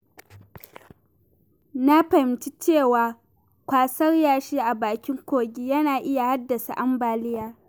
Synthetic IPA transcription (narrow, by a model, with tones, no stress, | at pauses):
na˦ɸɐ˨ɪ˨mt͡ʃi˦t͡ʃeː˦˨waː˨ | kʷaː˨sɐ˦rjaː˨ʃiː˦ʔa˨baː˨kʲɪ˦ŋkʷoː˨ɡʲi˦jɐ˦naː˨ʔɪ˦ja˨ha˦dːɐ˨sa̰˨ʔa˦mbaː˨lɪ˦jaː˦